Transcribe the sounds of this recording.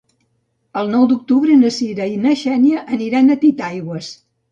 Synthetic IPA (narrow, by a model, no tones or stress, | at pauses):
əlˠnɔwd̪uk̚t̪uβɾənəsiɾəinəʃɛniəʔːniɾanət̪it̪ajɣwəs